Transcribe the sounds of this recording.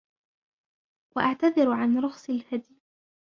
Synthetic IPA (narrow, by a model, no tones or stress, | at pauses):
waʔaʕt̪aðɪɾʕanɾʊxsˤɪlhad̪j